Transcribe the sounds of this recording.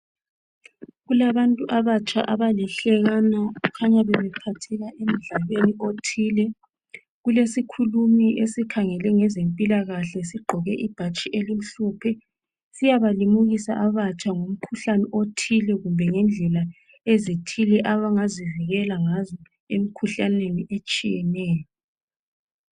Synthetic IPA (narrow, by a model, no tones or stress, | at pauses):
ɣulaβantʼuʔaβat͡ʃʼa̰ʔaβaliɬɛɣanaukʰaɲaβɛβɛpʰatʰɛɣaʔem̩ɮaβeniotʰiːlɛ | ɣulesikʰulumiʔesikʰaŋɛlɛŋɛzempʼilaɣaɬɛsiɡ͡ǃʱɔɣɛʔib̥ʱat͡ʃʼiʔelim̩ɬupʰɛ | sijaβalimuɣisaʔaβat͡ʃʼaŋom̩kʰuɬanɛʔotʰilɛɣumbʱɛŋɛnd͡ɮʱɛla | ezitʰilɛʔaβaŋaziviɣɛlaŋazɔ | em̩kʰuɬaneniʔet͡ʃʼijɛnɛːjɔ